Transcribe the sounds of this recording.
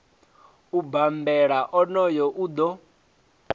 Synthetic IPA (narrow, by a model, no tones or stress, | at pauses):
ubambɛɺaʔɔnɔjɔʔud̪ɔ